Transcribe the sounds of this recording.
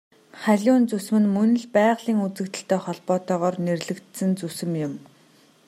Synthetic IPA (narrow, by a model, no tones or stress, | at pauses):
χæɮʲʊːnt͡susmɘ̆nmɵnɘ̆ɮpæːʁɮiːŋut͡sɘ̆kt̪ɘ̆ɬt̪eːχɔɮpɔːt̪œːʁɔːrnerɮɘ̆kt̪sɘ̆nt͡susɘ̆mjʊm